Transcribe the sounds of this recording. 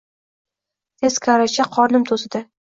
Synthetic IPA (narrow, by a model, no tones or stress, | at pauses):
t̪ʰe̞zkʰaɾat͡ʃaqʰɒɾnɪmt̪ʰosɪd̪ɪ